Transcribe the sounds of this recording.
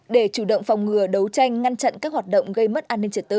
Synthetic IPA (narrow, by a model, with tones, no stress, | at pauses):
ɗe˧˩t͡ɕu˧˩ɗə̰˧˨wŋ͡mfa˨˩wŋ͡mŋɨ˨˩əɗə˨˦wt͡ɕa˧jŋ̟ŋa˧nt͡ɕa̰˧˨nkaː˦˥k̚hwaː˨˩t̚ɗə̰˧˨wŋ͡mɣə˧jmə˦˥t̚ʔaː˧nːï˧ŋt͡ɕi˧˩t̪ɨ̰˧˨